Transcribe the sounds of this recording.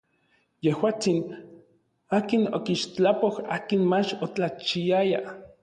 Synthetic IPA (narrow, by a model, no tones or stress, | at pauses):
jehwaːt͡sin | aːkinokiʃt͡ɬapoha̰ːkinmat͡ʃot͡ɬat͡ʃiaja